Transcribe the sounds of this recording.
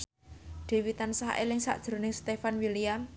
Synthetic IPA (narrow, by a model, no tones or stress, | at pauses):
ɖ̪̥e̤wit̪ansaɦʔḛlɪŋsa̰ʔd̥ʒ̥ɾo̤nɪŋst̪efanwilijam